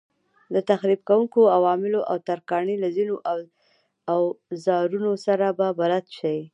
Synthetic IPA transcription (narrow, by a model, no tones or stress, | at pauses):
d̪ət̪axɾib̚kawuŋkoawɑmɪloʔawt̪aɾkɑɳilazinoʔaw | awzɑɾunosaɾababaɾat̪ʃawi